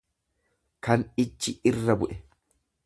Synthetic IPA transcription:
kɐnɪt͡ʃːɪɪrːɐbʊʔɛ

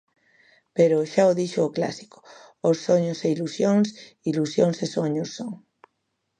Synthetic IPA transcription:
peɾoʃaoðiʃoːkla̰si̥ko̥ | osːoɲoseilusjõŋs | ilusjoŋsesoɲosːoŋ

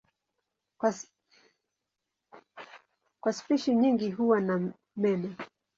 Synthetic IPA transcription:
kwaspiʃiɲiŋɡiɦuwana | mɛmɛ

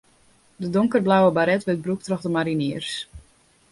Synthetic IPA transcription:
dədʊŋkərblawəbaɾɛtʋɪt̚bruk̚trɔxdəmaɾiniərs

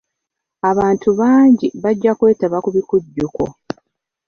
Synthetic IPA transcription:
aβaːntuβaːɲɟiβaɟːakwe̞ːtaβakuβikuɟːuko̰

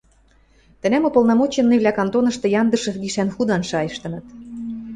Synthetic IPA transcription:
t̪ə̆næmopolnɑmot͡ɕenːeβlʲækɑnt̪onɤ̆ʃt̪ɤ̆jɑnd̪ɤ̆ʃɤ̆ɡiʃænxud̪ɑnʃɑjəʃt̪ɤ̆nɤ̆t̪

